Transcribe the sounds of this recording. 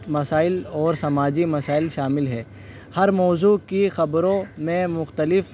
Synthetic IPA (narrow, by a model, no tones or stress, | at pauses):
mɐsaːɪlɔːɾsɐmaːd͡ʒimɐsaːɪlʃaːmɪlɦɛː | hɐɾmɔːzuːkixɐbɾõmẽmʊxt̪əlɪf